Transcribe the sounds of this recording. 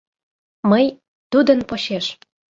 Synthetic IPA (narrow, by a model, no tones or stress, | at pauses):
məj | t̪ud̪ə̆npoɕeʃ